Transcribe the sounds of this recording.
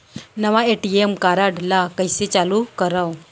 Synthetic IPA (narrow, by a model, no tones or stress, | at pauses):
nəʋaeʈiemkaɾaɽlakəjset͡salukəɾaw